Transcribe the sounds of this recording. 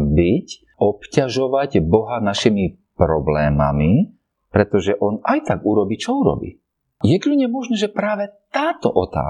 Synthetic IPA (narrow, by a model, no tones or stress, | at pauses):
bic | ʔɔpcaʒɔʋaɟbɔɦanaʃimi | pɾɔblɛːma̰mi | pɾɛt̪ɔʒɛʔɔnajt̪aɡuɾɔbiːt͡ʃɔuɾɔ̰bḭː | jɛklʲuɲɛmɔʒnɛʒɛpɾaːʋɛt̪aːt̪ɔ̰ʔɔt̪a̰ː